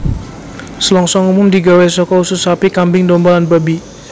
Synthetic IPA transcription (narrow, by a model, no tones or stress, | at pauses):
səlɔŋsɔŋumʊmd̪iɡawɛsɔkɔusʊsapikambɪŋdɔmbalanbabi